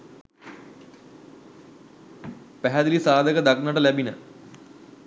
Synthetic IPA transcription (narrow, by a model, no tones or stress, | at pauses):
pɛɦɐd̪ilisaːd̪ʱɐkɐd̪ɐk̚nɐʈɐlɐbʱinə